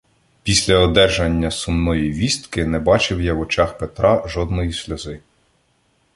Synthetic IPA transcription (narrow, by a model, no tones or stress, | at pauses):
pʲisʲlʲɐɔd̪ɛʒɐnʲːɐsʊmnɔjiʋʲist̪kɪnɛbɑt͡ʃɪwjawɔt͡ʃɑxpet̪ɾʔɑʒɔd̪nɔjisʲlʲɐzɪ